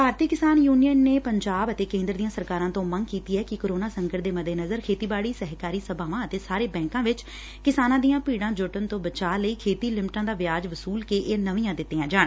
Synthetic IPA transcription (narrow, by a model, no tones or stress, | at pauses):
bʱaːɾt̪iːkɪsaːnjuːnijənːeːpəɲd͡ʒaːbət̪eːkẽːnd̪ɾd̪ijãːsəɾkaːɾãːt̪õːməŋkiːt̪iːɛːkɪkoːɾoːnaːsəŋɡəʈd̪eːməd̪eːnəzəɾkʰeːt̪iːbaːɽiːsəɦkaːɾiːsəbʱaːʋãːət̪eːsaːɾeːbɛ̃ːŋkãːʋɪt͡ʃ | kɪsaːnãːd̪ijãːpiːɽãːd͡ʒʊʈənt̪õːbət͡ʃaːləiːkʰeːt̪iːlɪmʈãːd̪aːʋɪjaːd͡ʒʋəsuːlkeːʔeːnəʋĩːãːd̪ɪt̪ːeːãːd͡ʒaːɳ